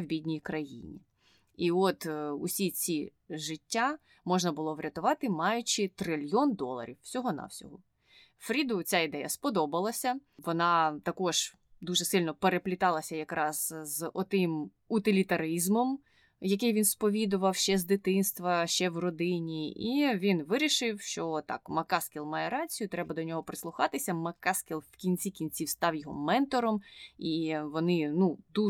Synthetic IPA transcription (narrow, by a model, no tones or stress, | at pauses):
wbʲidʲnʲijkɾɐjḭnʲḭ | iɔt̪usʲit͡sʲi | ʒɪtʲːa | mɔʒnɐbʊlˠɔʋɾʲʔɐt̪ʊʋɑt̪ɪmɑjʊt͡ʃɪt̪ɾɪlʲjɔnd̪ɔlˠɐ̰ɾʲiwsʲɔɦɔnɑ̰wsʲɔ̰ɦʊ | fɾʲid̪ʊt͡sʲaid̪ɛjɐspɔd̪ɔbɐlˠɐsʲɐʋɔnɑt̪ɐkɔʒ̥ | d̪uʒɛsɪlʲnɔpeɾeplʲɪt̪ɑlˠɐsʲɐjɐkɾɑz̥zɔt̪ɪm | ʊt̪ɪlʲit̪ɐɾizmɔm | jɐk̬ɪjʋʲinspɔʋʲid̪ʊʋɐwʃt͡ʃɛzd̪ɪt̪ɪnst̪ʋɐʃt͡ʃɛwrɔd̪ɪnʲiiʋʲinʋɪɾʲiʃɪwʃt͡ʃɔt̪ɑ̰kmɐkɑskʲilˠmɑjɛɾɑt͡sʲijʊt̪ɾɛbɐd̪ɔnʲɔɦɔpɾɪslˠʊxɑt̪ɪsʲɐmɐkɑskʲilˠwkʲinʲt͡sʲikʲinʲt͡sʲiwst̪ɑwjɔɦɔ̰mɛnt̪ɔɾɔmiʋɔnɪnud̪u